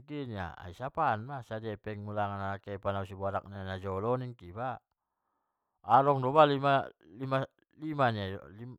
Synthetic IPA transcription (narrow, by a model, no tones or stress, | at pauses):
ɡinia̰a̰isapanmasadiɛpɛŋmulaŋanaakɛpanausibuaɾak̚nianad͡ʒɔlɔniŋkiba | aɾɔŋdɔbalimalima | limania̰li